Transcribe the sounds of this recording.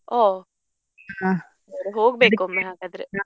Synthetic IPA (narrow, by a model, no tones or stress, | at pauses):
oː | ɦa | ɾeɦoːɡbeːkumːeɦaːɡad̪ɾea